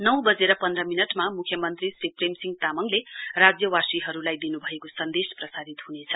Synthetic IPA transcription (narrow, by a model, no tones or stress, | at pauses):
nʌw̃bʌd͡zeɾʌpʌnd̪rʌminʌʈmamukʰjʌmʌnt̪risipremsiŋɡ̚t̪amʌŋlerad͡zjʌwasiɦʌɾulajd̪inubʱʌekosʌnd̪esprʌsaɾit̪ɦunet͡sʰʌ